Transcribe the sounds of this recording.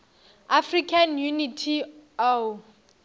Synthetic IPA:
afrikʰanjunitʰio

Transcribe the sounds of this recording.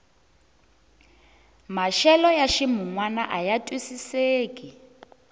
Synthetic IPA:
maʃɛlɔjaʃimuŋwanaʔajatʼwisiseːkʼi

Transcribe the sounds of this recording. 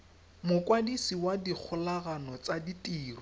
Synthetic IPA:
mʊkwadisiwadik͡xʰʊlaɣanɔt͡saditʼiːrɔ

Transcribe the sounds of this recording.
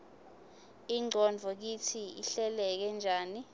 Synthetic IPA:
iŋ͡ǀʱɔnd͡vʱɔk̬itʰiḭɬɛlɛk̬ɛnd͡ʒʱaːni

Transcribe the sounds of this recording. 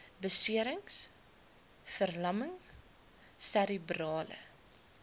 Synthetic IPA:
bəsiəɾəŋs | fərlɐməŋ | sæɾəbrɑːlə̰

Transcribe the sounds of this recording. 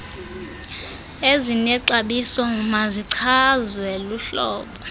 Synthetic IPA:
ezinɛǀaɓisɔŋumaziǀʰazwɛluɬɔːɓɔ

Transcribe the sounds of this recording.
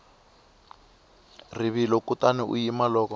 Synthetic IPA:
riβilɔkutaniṵjimalɔːkɔ

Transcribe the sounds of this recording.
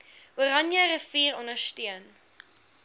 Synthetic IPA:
uɾɐnjəɾəfiːɾɔnəstiən

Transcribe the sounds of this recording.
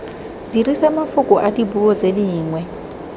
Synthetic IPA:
diɾisamafʊkʼʊʔadibuɔd͡zediːŋwɛ

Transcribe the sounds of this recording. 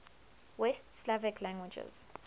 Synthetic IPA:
wɛstslavɛkʰlãŋɡwid͡ʒɛ̰z̥

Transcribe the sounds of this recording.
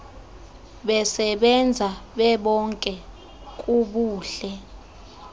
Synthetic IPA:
ɓɛsɛɓɛnd͡zʱaɓɛɓɔŋkʼɛ | kʼuɓuːɬɛ

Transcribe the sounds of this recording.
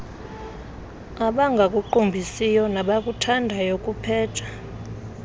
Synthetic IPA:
aɓaŋɡʱak̬ʼuǃumbʱisijɔnaɓak̬ʼutʰandʱajokʼupʰɛːtʰḁ

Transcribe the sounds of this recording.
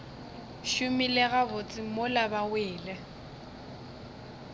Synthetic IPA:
ʃʊmilɪɣabʊt͡sʼɪmʊlabawɪːlɛ

